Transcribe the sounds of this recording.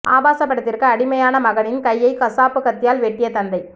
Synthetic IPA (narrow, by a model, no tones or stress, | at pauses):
ʔaːbaːsɐpːɐɽɐt̪ːɪrkɯɐɽɪmɐjaːnɐmɐɣɐɳɪnkɐjːɐɪkɐsaːpːɯkɐt̪ːɪjaːlʋɛʈːɪjɐt̪ɐnd̪ɐɪ